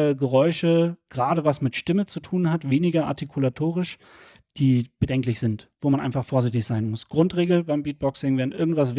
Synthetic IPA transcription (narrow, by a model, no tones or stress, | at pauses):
əɡəʁɔʏʃəɡ̥ʁaːɾəvasmɪtʃtɪmət͡sutʰuːnhatv̥eːnɪɡɐʔa̰ɐtikʰulatʰoːʁɪʃ | d̥iːb̥ədɛŋklɪçz̥ɪntv̥oːmanʔa̰ɪnfaχfoːɐzɪçtɪçz̥aɪnmʊsɡ̥ʁʊntʁ̥eːɡl̩baɪmbiːt̚b̥ɔksɪŋveːɐn̩ʔɪɐɡŋ̩tv̥asv